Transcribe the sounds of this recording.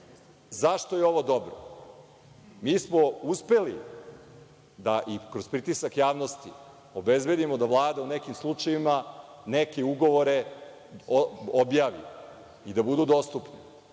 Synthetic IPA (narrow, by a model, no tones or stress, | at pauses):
zaʃt̪ojeo̞ʋod̪o̞bɾo | miːsmo̞uspe̞li | d̪aʔikɾo̞spɾit̪isakjaːʋno̞st̪i | o̞be̞zbe̞d̪imod̪aʋlˠaːd̪aunekimslˠut͡ʂajimanekeuɡo̞ʋo̞ɾe̞ | objaːʋḭ | id̪abud̪ud̪o̞st̪upni